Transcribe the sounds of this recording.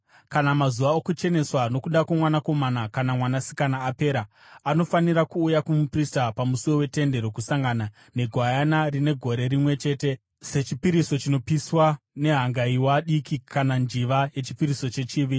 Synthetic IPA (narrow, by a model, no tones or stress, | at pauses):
kanamazuʋaokut͡ʃe̞ne̞swano̞kuɗakwamwanako̞manakanamwanasi̥kanaːpe̞ɾa | ano̞faniɾakuːjakumupristapamusiwo̞we̞te̞nde̞ɾo̞kusaŋɡana | ne̞ɡʱwajanarine̞ɡʱo̞ɾe̞ɾimwe̞t͡ʃe̞ːte̞ | se̞t͡ʃipiɾiso̞t͡ʃino̞piswane̞ɦaŋɡaiwaɗikikʰanand͡ʒiʋaje̞t͡ʃi̥piɾiso̞t͡ʃe̞t͡ʃiːʋi